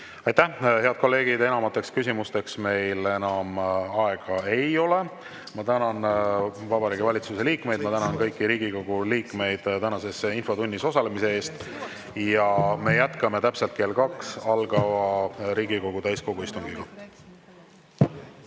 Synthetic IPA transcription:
ɑjt̪æhe̞ɑd̪̥̚ko̞lːe̞ːɡ̥id̪e̞nɑmɑt̪ːˑe̞kskysimust̪e̞ksme̞jle̞nɑmɑe̞ɡ̥ɑe̞jo̞le̞ | mɑt̪ænɑnvɑbɑɾiːɡ̥evɑlʲit̪suse̞liːkme̞jd̪̥̚mɑt̪ænɑnkɤ̞jkːiɾiːɡ̥iko̞ɡ̥uliːkˑme̞jd̪̥t̪ænɑse̞sinfo̞t̪unʲːiso̞sɑle̞mise̞e̞ːst̪ | jɑme̞jæt̪kɑme̞t̪æpselt̪̚ke̞ːlkɑksɑlɡɑvɑɾiːɡ̥iko̞ɡ̥ut̪æjsko̞ɡuist̪uŋɡiɡ̥ɑ

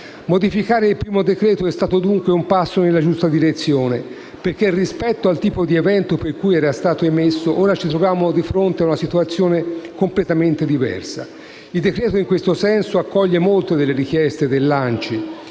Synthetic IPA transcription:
mod̪ifikaːɾeilpɾiːmod̪ekɾɛːt̪oɛst̪aːt̪od̪uŋkweumpasːonelːad͡ʒust̪ad̪iɾet̪sːjoːne | perk̟erːispɛt̪ːoalt̪iːpod̪ievɛnt̪operkujɛːɾast̪aːt̪oemesːoʔoːɾat͡ʃit̪ɾovjaːmod̪ifɾont̪eaunasit̪uat̪sːjoːnekomplet̪ament̪ed̪ivɛ̰rsa̰ | ild̪ekɾɛːt̪oiŋkwest̪osɛnsoakːɔʎːemolt̪ed̪elːeɾik̟jɛst̪ed̪elːant͡ʃi

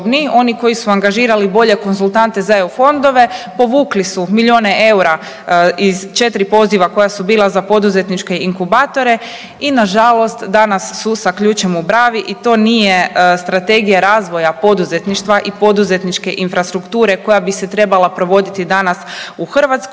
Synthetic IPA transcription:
bnio̞niko̞jisuaŋɡaʒiːɾalibo̞ʎe̞ko̞nzulˠt̪ant̪e̞zaeufo̞nd̪o̞ʋe̞po̞ʋuːklisumiʎo̞ːne̞ʔe̞wɾa | izt͡ʃe̞t̪ɾipo̞ziʋako̞jasubiːlˠazapo̞d̪uze̞t̪nit͡ʃke̞iŋkubat̪o̞ɾe̞ | inaʒalˠo̞st̪d̪anasːusakʎuːt͡ʃemubɾaːʋiʔit̪o̞ːnije̞st̪ɾat̪e̞ɡijaɾaːzʋo̞japo̞d̪uze̞t̪niʃt̪ʋaʔipo̞d̪uze̞t̪nit͡ʃke̞ʔinfɾast̪ɾukt̪uːɾe̞ko̞jabise̞t̪ɾe̞balapɾo̞ʋo̞d̪it̪id̪anasuxrʋat̪sk

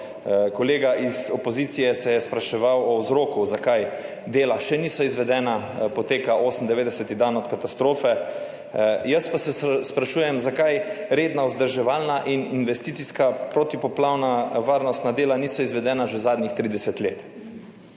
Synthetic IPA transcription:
kɔleːɡaʔizɔpɔzit̪sijɛsɛjɛspɾaʃɛʋawɔwzɾoːkuzakaj | d̪eːlaʃɛniːsɔizʋɛd̪ɛːnapɔt̪eːkaʔoːsənd̪ɛʋeːd̪ɛsɛt̪id̪anɔt̪kat̪ast̪ɾoːfɛ | jəspasɛspɾaʃuːjɛmzakajɾeːd̪nauzd̪əɾʒɛʋaːlnaʔininʋɛst̪iːt̪siskapɾot̪ipɔplawnaʋaːɾnɔst̪nad̪eːlaniːsɔizʋɛd̪ɛːnaʒɛzaːd̪nixt̪ɾiːd̪ɛsɛt̪leːt̪

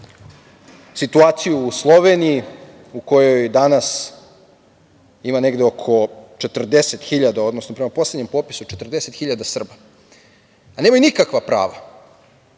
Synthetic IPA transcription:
sit̪uaːt̪sijuːslˠo̞ʋeniji | uko̞jo̞jd̪anas | imane̞ɡd̪eokʰo̞t͡ʃet̪r̩d̪eset̪xiʎad̪ao̞d̪no̞snopɾemapo̞sleɲe̞mpo̞pi̥sut͡ʃet̪r̩d̪ese̞t̪xiʎad̪asr̩ba | aneːmajunikakʋapɾa̰ːʋa̰

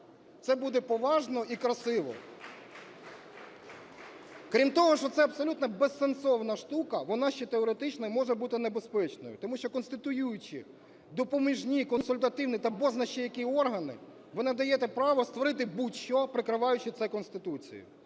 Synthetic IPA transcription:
t̪sɛbud̪ɛpɔʋɑʒnɔʔikɾɐsɪʋɔ̰ | kɾʲimt̪ɔɦɔʃt͡ʃɔt̪sɛɐbsɔlʲut̪nɐbesːensɔwnɐʃt̪ukɐʋɔnɑʃt͡ʃɛt̪eɔɾet̪ɪt͡ʃnɐmɔʒɛbut̪ɪnebespɛt͡ʃnɔ̰jʊt̪ɔmuʃt͡ʃɔkɔnst̪ɪt̪ʊjujʊt͡ʃɪ̰ | d̪ɔpɔmiʒnʲikɔnsʊlʲt̪ɐt̪ɪwnit̪ɐbɔznɐʃt͡ʃijɐkʲiɔrɦɐnɪ̰ | ʋɪnɐd̪ɐjɛt̪ɛpɾɑʋɔst̪ʋɔɾɪt̪ɪbutʲʃɔpɾɪkɾɪʋɑjʊt͡ʃɪt̪sɛkɔnst̪ɪt̪ut͡sʲḭjʊ̰

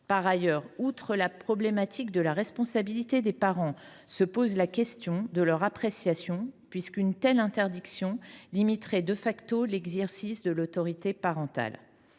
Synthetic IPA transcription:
paʁajœʁut̪χəlapχɔblɛmat̪ʰikd̪əlaʁɛspɔ̃sabilit̪ed̪epaʁɑ̃ | səpozlakʲɛst̪jɔ̃d̪əlœʁapχesjasjɔ̃pɥiskynt̪ɛlɛ̃t̪ɛʁd̪iksjɔ̃limit̪χɛd̪əfakt̪olɛɡzɛʁsisd̪əlot̪ɔʁit̪epaʁɑ̃t̪a̰l

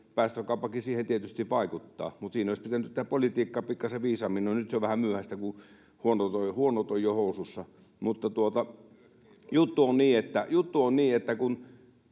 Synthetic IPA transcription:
pæˑːst̪økɑˑupːɑkisiːhent̪iet̪yst̪iʋʋɑˑikut̪ːɑ̰ːmut̪siːnoˑispit̪ænyt̪t̪ːæpolit̪iːkːɑpikːɑseʋiːsɑminːonyt̪seoʋʋæhæmyøhæst̪æku | huonot̪oihuonot̪ojjohoˑususːɑ | mut̪ːɑt̪uot̪ɑ | jut̪ːuonniːet̪ːæjut̪ːuonniːet̪ːækun

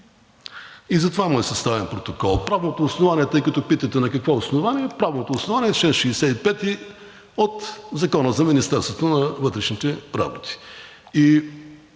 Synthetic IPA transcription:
izɐt̪ovamɔjsɐst̪avɛnpɾot̪okɔlˠpɾavnot̪oːsnovaniɛt̪əjkɐt̪ɔpit̪ət̪ɛnɐkɐkvɔosnovaniɛpɾavnot̪oːsnovaniɛt͡ʃlɛnʃisɛt̪ipɛt̪i | ot̪zɐkɔnəzɐminist̪ɛɾst̪vot̪onɐvɤt̪ɾɛʃnit̪ɛɾa̰bot̪i̥ | i

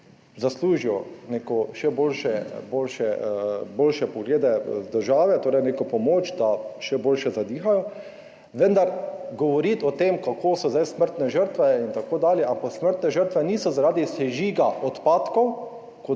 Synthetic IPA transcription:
zasluːʒiɔnekɔʃɛboːlʃɛboːlʃɛboːlʃɛpɔɡleːd̪ɛd̪əɾʒaːʋɛt̪oːɾɛjnekopɔmoːt͡ʃd̪aʃɛboːlʃɛzad̪iːxajɔ | ʋənd̪aɾɡɔʋɔɾit̪ɔt̪eːmkakʰoːsɔzajsməɾt̪nɛʒəɾt̪ʋɛint̪akoːd̪aːljɛʔampaksməɾt̪nɛʒəɾt̪ʋɛniːsɔzaɾaːd̪isɛʒiːɡaʔɔt̪paːt̪kɔw | ko

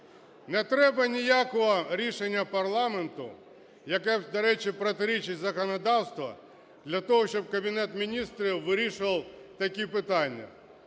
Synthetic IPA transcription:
nɛt̪ɾɛbɐnʲijakɔɦɔɾʲiʃenʲːɐpɐrlˠɑment̪ʊ | jɐkɛd̪ɐɾɛt͡ʃʲɪpɾɔt̪ɪɾʲit͡ʃɪtʲzɐkɔnɐd̪ɑwst̪ʋɐ̰ | d̪lʲɐt̪ɔɦɔʃt͡ʃɔb̚kɐbʲinɛt̪mʲinʲist̪ɾʲiwʋɪɾʲiʃʊʋɐlˠt̪ɐkʲipɪt̪ɑnʲːɐ̰

